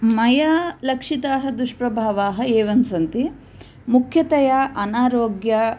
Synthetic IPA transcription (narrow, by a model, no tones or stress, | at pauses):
mɐjalɐkʂit̪aːɦɐd̪uʂpɾɐbʱaːʋaːɦɐ̆eːʋɐmsɐnt̪i | mukʰjɐt̪ɐjaʔɐnaːɾoːɡjɐ